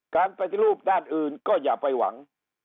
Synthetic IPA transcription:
kaː˧npa˧t̪i˧ɾuː˥˩p̚daː˥˩nʔɯː˨˩nkɔː˥˩jaː˨˩pa˧jwa̰˩˦ŋ

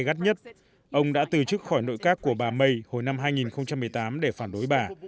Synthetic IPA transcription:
ɣa˦˥t̚ɲə˦˥t̚ | ʔə˧wŋ͡mɗa̰ː˧˥t̪ɨ˨˩t͡ɕɨ˦˥k̚xɔ˧˩jno̰˧˨jkaː˦˥kːu˧˩əɓaː˨˩mə˧jho˨˩jna˧mɦaː˧jŋi˨˩nxə˧wŋ͡mt͡ɕa˧mːɨ˨˩əjt̪aː˨˦mɗe˧˩faː˧˩nɗo˨˦jɓaː˨˩

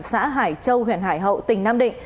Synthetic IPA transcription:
sa̰ː˧˥ɦaː˧˩jt͡ɕə˧whwḭ˧˩ənɦaː˧˩jɦə̰˧˨wt̪ï˧˩ŋ̟naː˧mɗḭ̈˧˨ŋ̟

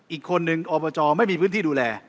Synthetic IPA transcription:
ʔiː˨˩kʰːo˧nːɯ˧ŋʔɔː˧bɔː˧t͡ɕɔː˧ma˥˩jmiː˧pʰɯ˦˥niː˥˩uː˧lɛː˧

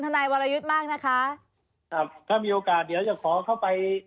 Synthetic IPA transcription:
nʰa˧naː˧jwɔː˧ɾa˧ju˦˥t̪̚maː˥˩k̚na˦˥kʰa˦˥ | kʰa˦˥˩p̚t̪ʰaː˥˩miː˧ʔoː˧kaː˨˩t̪̚di˨˦əwjaː˨˩k̚ʰɔː˨˩˦kʰa˥˩wpa˧j

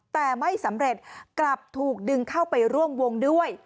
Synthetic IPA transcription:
t̪ɛː˨˩ma˥˩jsa˩˦mɾe˨˩t̪̚kla˨˩p̚t̪ʰuː˨˩k̚dɯ˧ŋkʰa˥˩wpa˧jɾu˥˩əmwo˧ŋdu˥˩əj

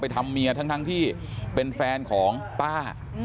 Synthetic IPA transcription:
pa˧jt̪ʰa˧mːi˧ɐt̪ʰa˦˥ŋt̪a˦˥ŋt̪ʰiː˥˩ | pe˧nfɛː˧nkʰɔː˩˦ŋpaː˥˩

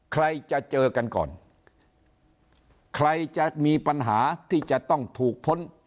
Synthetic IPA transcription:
kʰɾa˧jt͡ɕa˨˩ʔt͡ɕɤː˧ka˧nkɔ̰ː˨˩n | kʰɾa˧jt͡ɕa˨˩miː˧pa˧nɦaː˩˦t̪ʰiː˥˩t͡ɕa˨˩t̪ɔ˥˩ŋt̪ʰuː˨˩k̚pʰo˧˦˥n

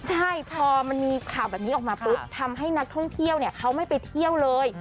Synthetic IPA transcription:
t͡ɕʰa˥˩jpʰɔː˧ma˧nmiː˧kʰaː˨˩wbɛː˨˩p̚niː˦˥ɔː˨˩k̚maː˧pɯ˦˥t̪̚t̪ʰːa˧mɦa˥˩jna˦˥k̚t̪ʰɔ˥˩ŋt̪ʰi˥˩əwni˥˩ɐkʰa˦˥wma˥˩jpa˧jt̪ʰi˥˩əwlɤː˧j

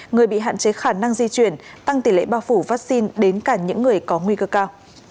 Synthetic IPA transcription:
ŋɨ˨˩əjɓḭ˧˨ɦa̰ː˧˨nt͡ɕe˨˦xaː˧˩na˧ŋzi˧t͡ɕwi˧˩ənt̪a˧ŋt̪i˧˩lḛ˧˨ɓaː˧wfu˧˩vaː˦˥k̚si˧nɗe˨˦nkaː˧˩ɲɨ̰˧˥ŋːɨ˨˩əjkɔ˨˦ŋwi˧kəː˧kaː˧w

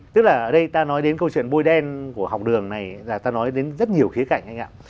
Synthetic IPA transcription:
t̪ɨ˦˥k̚laː˨˩ʔəː˧˩ɗə˧jt̪aː˧nɔ˨˦jɗe˨˦nkə˧wt͡ɕwḭ˧˨ənɓo˧jɗɛ˧nku˧˩əha˨˩wk͡p̚ɗɨ˨˩əŋna˨˩jlaː˨˩t̪aː˧nɔ˨˦jɗe˨˦nzə˦˥t̚ɲi˨˩əwxi˨˦ka̰˧˨jŋ̟ʔa˧jŋ̟a̰ː˧˨

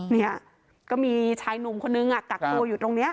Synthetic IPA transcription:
ni˥˩ | kɔː˥˩miː˧t͡ɕʰaː˧jnu˨˩mkʰo˧nːɯ˧ŋʔa˨˩ka˨˩k̚ːu˧ɐjuː˨˩t̪o˧ŋni˦˥ɐ

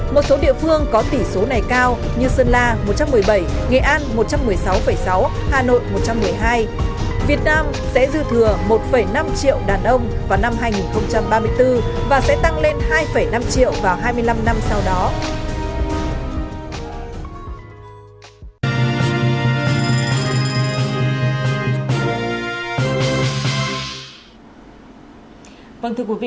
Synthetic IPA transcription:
mo˨˩t̚so˨˦ɗḭ˧˨əfɨ˧əŋkɔ˨˦t̪i˧˩so˨˦na˨˩jkaː˧w | ɲɨ˧sə˧nlaː˧mo˨˩t̚t͡ɕa˧mːɨ˨˩əjɓə˧˩jŋḛ˨˩ʔaː˧nmo˨˩t̚t͡ɕa˧mːɨ˨˩əjsa˨˦wfə˧˩jsa˨˦whaː˨no̰˧˨jmo˨˩t̚t͡ɕa˧mːɨ˨˩əjɦaː˧j | vi˨˩ət̚naː˧m | sɛ̰˧˥zɨ˧t̪ʰɨ˨˩əmo˨˩t̚fə˧˩jna˧mt͡ɕḭ˧˨əwɗaː˨˩nʔə˧wŋ͡mvaː˨˩wna˧mɦaː˧jŋi˨˩nxə˧wŋ͡mt͡ɕa˧mɓaː˧mɨ˧əjt̪ɨ˧vaː˨˩sɛ̰˧˥t̪a˧ŋle˧nhaː˧jfə˧˩jna˧mt͡ɕḭ˧˨əwvaː˨˩wɦaː˧jmɨ˧əjla˧mna˧msa˧wɗɔ˨˦ | və˧nt̪ɨ˧əkwi˨˦vḭ˧˨

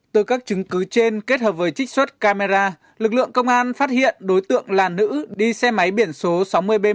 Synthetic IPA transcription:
t̪oː˧jkaː˦˥k̚t͡ɕɨ˨˦ŋkɨ˨˦t͡ɕe˧nke˦˥t̚həː˨˩p̚vəː˨˦jt͡ɕï˦˥k̚swə˦˥t̚kaː˧me˧zaː˧ | lɨ˨˩k̚lɨ̰˧˨əŋkə˧wŋ͡mʔaː˧nfaː˦˥t̚hḭ˧˨ənɗo˨˦jt̪ɨ̰˧˨əŋlaː˨˩nːɨ̰˧˥ɗi˧sɛ˧ma˨˦jɓi˧˩ənso˨˦sa˨˦wmɨ˧əjɓe˧

